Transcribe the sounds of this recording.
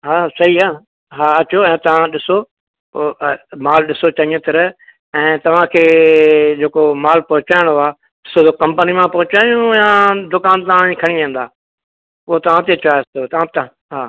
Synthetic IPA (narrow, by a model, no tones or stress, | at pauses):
ɦaːsɐɦiaː | ɦaːɐt͡ʃoɛ̃ːt̪ɐʋ̤ãɗɪso | maːlɗɪsot͡ʃaĩə̃t̪ɪɾ | ɛ̃ːt̪ɐʋ̤ãkʰeːd͡ʒeːkomaːlpɐɦʊt͡ʃaːɪɽ̃oaː | ɪsodokɐ̃mpənimãpɐɦʊt͡ʃaːjũjãːd̪ʊkaːnt̪ɐʋ̤ãĩkʰɐɽ̃iẽːn̆d̪aː | ʊɦot̪ɐʋ̤ãt̪et͡ʃaːst̪ot̪ɐʋ̤ãt̪ | ɦaː